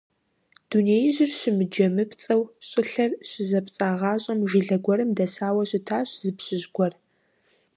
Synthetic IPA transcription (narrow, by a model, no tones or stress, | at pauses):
d̥uneːjʑɪrɕɪmɨd͡ʒɐmɨpʰt͡sʼɐwɕʼɪɬɐrɕɪzɐpt͡sʼaːʁɑːɕʼɐmʒɪɮɐɡʷɔɾɨmdɐsaːwɐɕɪtʰaːɕʼzɨpɕɪʑɡʷɔr